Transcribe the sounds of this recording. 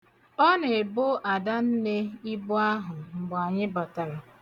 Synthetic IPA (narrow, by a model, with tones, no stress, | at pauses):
ɔ˦ne˨e˨bʊ˦ʔa˨da˦n̩˦ne˦i˦bʊ˦a˦ɦʊ˨ŋ͡m̩˨ɡ͡ba˨ɲɪ˦ba˨ta˨ɾa˨